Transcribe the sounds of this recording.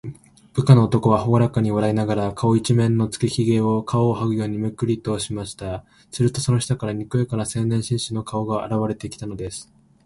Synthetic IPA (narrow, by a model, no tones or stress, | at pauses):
b̥ɯ̟kano̞ːt̪o̞ko̞β̞ahooɾakaɲ̟iβaɾainaɡaɾakʰao̞it͡ɕimẽ̞nːo̞t͡sɨ̥keçiɡe̞ːo̞kʰaoːɦaɡɯ̟jo̞ːɲ̟imɯ̟kɯ̟ɾʲit̪o̞ːɕimaɕi̥t̪a | sɨɾɯ̟t̪o̞so̞noçi̥t̪akaɾaɲ̟ikɯ̟ekaɾasẽ̞nːẽɕĩɰ̃ɕɨno̞kʰao̞ɡaʔa̰ɾaβaɾe̞t̪ekʲi̥t̪ano̞d̪e̞sɨ̥